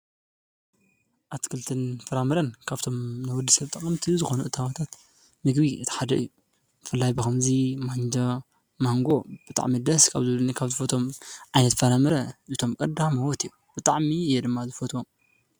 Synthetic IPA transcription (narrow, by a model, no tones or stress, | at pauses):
ʔat̪kʰɨlt̪ʰɨnfɐɾamɨɾɐnkʰaβt̪ʰo̞mnɨwʊd̪ːisɐβt̪ʼɐχʼɨmt̪ʰizɨxo̞nuʔɨt̪ʰaβat̪ʰat̪ | mɨɡbit̪ʰɐ̥ħad̪ɐʔɨ̰jːu | bɨfɨlːajbɨxɐmzimand͡ʒɐ | maŋɡo̞b̥ɨt̪ʼa̰ʕmid̪ɐskʰaβzɨβlunikʰaβzɨfot̪ʰo̞mʕajnɐt̪fɐɾamɐɾɐʔɨt̪ʰo̞mkʼɐd̪amɐwɔt̪ijːub̥ɨt̪ʼaʕmijɛd̪ɨmːazɨfot̪ʰwom